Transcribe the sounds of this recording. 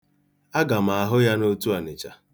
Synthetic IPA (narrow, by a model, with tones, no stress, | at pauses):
a˦ɡa˨m̩a˨a˨ɦʊ˦ja˦no˦tu˦a˨nɪ˨t͡ʃa̰˨